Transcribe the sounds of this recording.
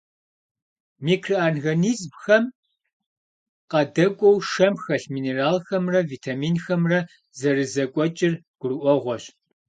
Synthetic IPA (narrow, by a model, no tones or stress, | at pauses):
miːkʰrɨaːnɣɐniːzmxɐm | qɐdɐkʷʼɔwʂɐmxɐɬmiːneraːlxɐmrɐviːtʰaːmiːnxɐmrɐ | zɐrɨzɐkʷʼɔt͡ʃʼɪrɡ̥ʷʊrɨʔʷɔʁʷɔɕ